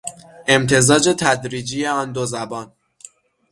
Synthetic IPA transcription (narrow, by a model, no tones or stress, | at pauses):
e̞mt̪ʰe̞zɒːd͡ʒe̞t̪ʰæd̪ɾiːd͡ʒijeɒːnd̪ozæbɒːn